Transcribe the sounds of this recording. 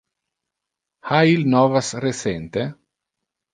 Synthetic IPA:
hailnɔvasresent̪e

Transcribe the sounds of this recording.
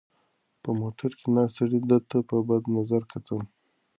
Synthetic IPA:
pəmoʈaɾkenɑst̪aɽid̪ət̪apəbad̪nazaɾkʰat̪ʰəm

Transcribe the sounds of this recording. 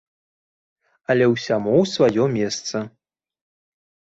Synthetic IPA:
ɐlʲɛwsʲamuwsvajɔmʲɛst̪sɐ

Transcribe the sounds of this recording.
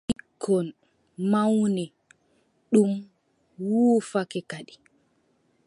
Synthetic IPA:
ʔikʰːɔn | mawnɛ | ɗum | wuːfakɛkaɗi

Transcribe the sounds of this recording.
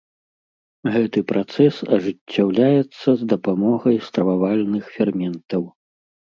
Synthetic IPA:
ɣɛt̪ɨpɾat̪sɛsɐʐɨt͡sʲːawlʲajɛt̪sːɐzd̪ɐpamɔɣɐjst̪ɾɐvavalʲnɨxfʲɛrmʲɛnt̪ɐw

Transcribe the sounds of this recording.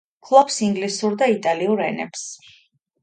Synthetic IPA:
kʰlˠɔpsiŋɡlisuɾd̪ait̪ʼaliuɾɛ̰nɛ̰ps

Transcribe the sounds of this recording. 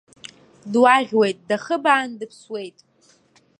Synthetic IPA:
dwaʁʲwe̞jtʼdaχəbaːndɨpʰswe̞jtʼ

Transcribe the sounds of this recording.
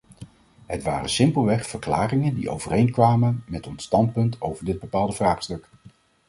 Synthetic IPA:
ɦətʋaːrə̰sɪmpəlˠʋɛχfəɹkla̰ːrɪŋəndḭʔo̰wv̥ərejnkʋaːmənmɛtɔnstɑnt̚pɵntʰowvəɹdɪd̚bəpaːlˠdəvraːχstɵk

